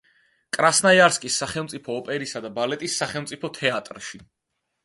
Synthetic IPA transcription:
kʼɾasnajaɾskʼisːaχɛlˠmt̪sʼipʰɔːpʼɛɾisad̪abalɛt̪ʼisːaχɛlˠmt̪sʼipʰɔt̪ʰɛat̪ʼɾʃi

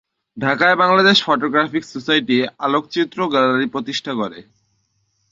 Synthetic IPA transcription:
ɖʱakaebaŋlad̪eʃfɔʈoɡɾafiksosajʈialok̚t͡ɕit̪ːɾoɡalaɾipɾot̪iʃʈʰakoɾe

